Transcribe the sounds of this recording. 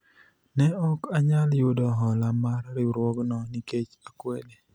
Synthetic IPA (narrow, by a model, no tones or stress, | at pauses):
nɛɔkaɲaljʊdɔɦɔlamarɾɪɾwɔɡnɔniket͡ʃakwele